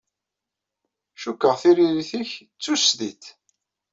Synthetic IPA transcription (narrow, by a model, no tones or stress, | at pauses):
ʃukːəʁθiɾiɾiθəçt͡sːusðiθ